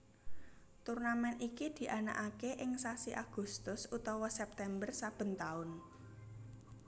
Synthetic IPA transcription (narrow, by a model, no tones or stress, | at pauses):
t̪urnamɛnʔikid̪̥i̤ʔana̰ʔakeʔɪŋsasiʔaɡ̥ṳst̪ʊsut̪ɔwɔsɛp̚t̪ɛmbərsab̥ə̤nt̪aʊn